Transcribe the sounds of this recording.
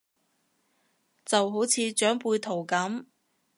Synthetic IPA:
t͡sɐ˨wɦo˨˥wt͡sʰiː˧t͡ʃœː˨˥ŋpuː˧jt̪ʰo˨˩wkɐ˨˥m

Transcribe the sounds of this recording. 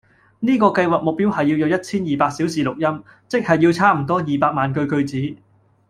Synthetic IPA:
niː˥kɔː˧kɐ˧jwaː˨k̚mʊ˨k̚piː˥whɐ˨jːi˧wjɐ˨˧wjɐ˥t̚t͡sʰiː˥njiː˨paː˧k̚siː˨˥wsiː˨lʊ˨k̚jɐ˥m | t͡sɪ˥k̚hɐ˨jːi˧wt͡sʰaː˥m̩˨˩t̪ɔː˥jiː˨˩paː˧k̚maː˨nkɵ˧ɥkɵ˧ɥt͡siː˨˥

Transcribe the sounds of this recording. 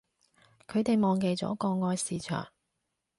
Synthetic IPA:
kʰɵ˨˧ɥt̪e˨jmɔː˨ŋke˨jt͡sɔ̰ː˨˥kɔː˧ŋɔː˧jsiː˨˧t͡ʃʰœ̰ː˨˩ŋ

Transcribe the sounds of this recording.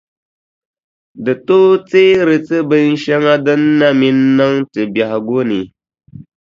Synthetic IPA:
dɨ˨to˦t͡se˦ɾɨ˨t͡sɨ˦bə˦n̩˦ʃe˦ŋa˦də˦nː˦a˦mi˦nː˦ə˦ŋtɨ˨bja˨ɡo˦ni˨

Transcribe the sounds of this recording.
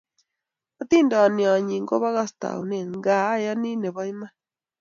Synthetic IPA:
a˦t̪iː˦nda˨a˨ni˨a˨ɲiː˨ŋɡo˦βa˦ɣa˦sta̰˨ṵ˨ne˦˨ŋɡa˨˦ja˦ni˦ne˨βa˦i˦ma˦

